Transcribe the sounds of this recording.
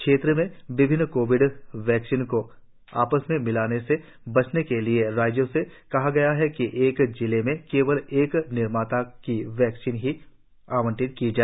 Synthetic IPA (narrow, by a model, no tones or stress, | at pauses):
kʃeːt̪ɾəmẽʋɪbʱɪnːkoːʋɪɖʋjɛːksɪnko | a̰ːpəsmẽmɪlaːnese | bɐt͡ʃnekelieɾaːd͡ʒjõsekɐɦaɡɐjaɦɛkiʔeːkd͡ʒɪlemẽkeːʋəleːknɪɾmaːt̪akiʋjɛːksiːnɦi | aːʋə̃ɳʈɪnkid͡ʒaː